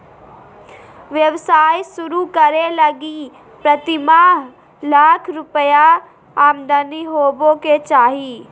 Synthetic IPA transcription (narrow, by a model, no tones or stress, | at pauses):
ʋjɐʋsaːjsʊɾukəɾelɐɡi | pɾɐt̪ɪmaɦ | laːkʰɾʊpəja | aːmd̪əniɦoːbõket͡ʃaːɦiː